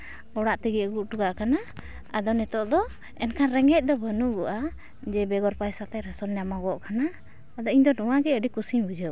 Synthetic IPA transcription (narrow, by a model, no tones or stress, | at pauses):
ɔɽaʔt̪iɡɛʔɡuʔʈuɡaʔkana | ad̪ɔnɛt̪ɔʔd̪ɔ | ɛnkʰanɾɛŋɛc̚d̪ɔbənuɡɔʔa | d͡ʒɛbɛɡɔɾpajsat̪ɛɾɛsɔnɲamaɡɔʔkanaː | d̪ɔiɲd̪ɔnuwaɡɛəɖikusiɲbud͡ʒə